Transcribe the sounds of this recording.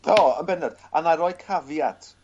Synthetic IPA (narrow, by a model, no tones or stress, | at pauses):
oːə̰nbɛnɛd̥anaɾɔːjkʰavjad̥